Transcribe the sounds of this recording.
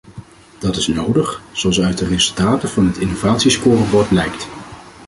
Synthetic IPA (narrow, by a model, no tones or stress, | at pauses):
d̥ɑtɪsnowdəχz̥oɑlˠsœɥt̚dərezɵlˠtaːtəvɑnɦətɪnowvaːtsiskʊːrɑbɔɹt̚lɛjkt